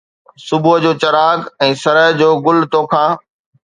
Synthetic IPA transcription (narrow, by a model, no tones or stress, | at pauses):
sʊbʊɦəd͡ʑoːt͡ɕɐɾaːɡɛ̃ːsɐɾəɦd͡ʑoːɡʊlt̪oːkʰãː